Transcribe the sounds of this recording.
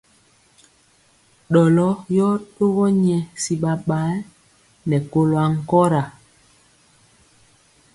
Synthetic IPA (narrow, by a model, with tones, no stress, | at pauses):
ɗɔ˨lɔ˦jɔ˦ɗo˦ɣɔ˦ɲɛ˨si˨ɓa˨ɓa˨˦l | nɛ˨ko˦lwa˨ŋ̩˦˨kɔ˦ɾa˨